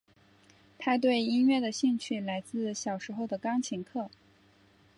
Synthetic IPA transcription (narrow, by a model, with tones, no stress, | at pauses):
t̪ʰa˥t̪̬we˥˩ɪi˥nɥɛ˥˩d̪ə˩ɕi˥˧ŋt͡ɕʰy˥˩la˧˥ɪt͡sɹ̩˥˩ɕjɑ˨˩ʊʂɻ̩˧˥xo˥˩ʊd̪ə˩kɑ˥ŋt͡ɕʰi˧˥ŋkʰɤ˥˩